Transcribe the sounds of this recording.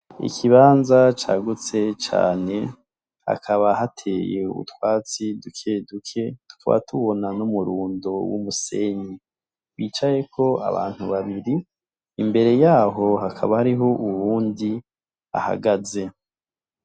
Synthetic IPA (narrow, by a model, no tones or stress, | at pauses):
ḭkʰiβaːnzat͡ʃaɡut͡se̞t͡ʃa̰ːne̞ | ha̰kʰaβaɦatʰe̞je̞ṵtwaːt͡sidukʰe̞dukʰe̞d̥u̥ka̰βa̰tuβo̞nanumuɾuːndowumuse̞̰ɲi | βiːt͡ʃaje̞kʰo̞a̰βa̰ːn̥huβaβiɾiː | mbe̞ɾe̞jaːɦo̞hakʰaβahaɾiɦo̞ʔuβuːndi | a̰ha̰ɡaze̞